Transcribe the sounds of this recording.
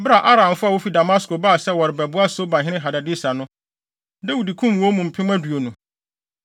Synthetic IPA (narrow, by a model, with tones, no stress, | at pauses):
ba˨ʔa˦ɾã˨m˨fʊ˦a˨wo˦fi˦da˨ma˦sko˨ba˦˨sɛ˦wɔ˨ɾɪ˨bɛ˨bʊ˦a˦so˦bã˨ɦɪ̃˦ɪ̃˦ɦa˨da˨dɪ˦sa˨nʊ̃˦ | da˦wi˨di˨kʰũ˦mwɔ̃˦mũ˨m̩˨pʰɪ̃˦mã˦du˨o˨nũ˨